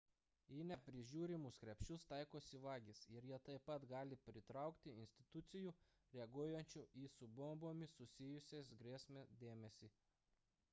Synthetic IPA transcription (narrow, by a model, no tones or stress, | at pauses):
iːnʲɛpʲɾʲɪʒʲuːɾʲɪmʊskɾʲɛpʲʃt͡ʃʲʊst̪ɐɪkoːsʲɪʋɑːɡʲisɪɾjiɛt̪ɐɪpɐt̪ɡɑːlʲɪpʲɾʲɪt̪ɾɑˑʊkt̪ʲɪɪnʲsʲt̪ʲɪt̪ʊt̪sʲɪjuː | ɾʲɛɐɡuɔjɛnʲt͡ʃʲʊiːsʊbomboːmʲɪsʊsʲɪjʊsʲeːsɡɾʲeːsʲmʲed̪ʲeːmʲɛsʲiː